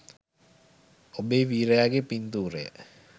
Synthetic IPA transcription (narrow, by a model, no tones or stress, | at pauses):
obeːʋiːɾəjaːɡepint̪uːɾejə̰